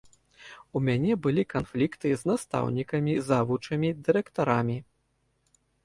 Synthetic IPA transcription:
umʲanʲɛbɨlʲikanflʲikt̪ɨznast̪a̰wnʲikɐmʲizavut͡ʂɐmʲid̪ɨɾɛkt̪aɾamʲi

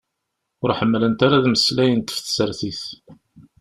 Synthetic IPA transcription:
ʊɾħəmːələnt̪aɾaðməslæjənt̪ə̥fθsəɾθiθ

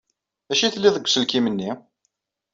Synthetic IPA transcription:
æʃiθlːiðˤəɡʷsəlkimənːi

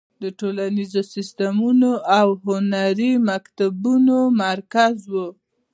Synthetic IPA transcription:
d̪əʈolanizosɪst̪amunoʔawɦʊnaɾimakt̪abunomaɾkazwu

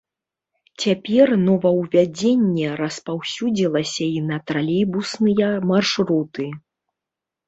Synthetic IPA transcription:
t͡sʲapʲɛrnɔvɐwvʲad͡zʲenʲːɛɾɐspawsʲud͡zʲilˠɐsʲɐinɐt̪ɾalʲijbusnɨjɐmarʂɾut̪ɨ

